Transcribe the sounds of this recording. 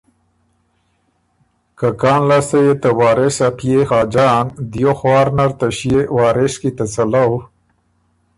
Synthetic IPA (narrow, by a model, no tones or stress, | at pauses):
kakaːnlast̪ajet̪əwaːɾesapʰjexaːd͡ʒaːnd̪joxwaːɾnaɾt̪aɕjewaːɾeskit̪at͡sala